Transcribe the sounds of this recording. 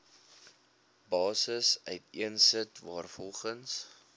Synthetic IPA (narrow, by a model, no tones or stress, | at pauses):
bɑːsəsœɥtiənsətvɑːrfɔlˠχəns